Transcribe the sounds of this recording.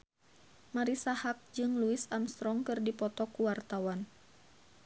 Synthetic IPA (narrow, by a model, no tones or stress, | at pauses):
maɾisahak̚d͡ʒɨŋluisamst̪ɾɔŋkɨrdipɔt̪ɔkuwart̪awan